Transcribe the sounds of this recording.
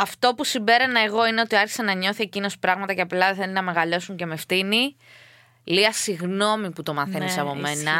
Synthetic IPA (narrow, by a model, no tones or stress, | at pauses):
ɐft̪o̞pusimbe̞ɾɐnɐeɣo̞ine̞o̞t̪iɐɾçi̥sɐnɐɲo̞θie̞cino̞spɾɐɣmɐt̪ɐceɐplɐðeθelinɐme̞ɣɐʎo̞suɲce̞mefθini | liɐsiɣno̞miput̪o̞mɐθennsɐpo̞mmennɐ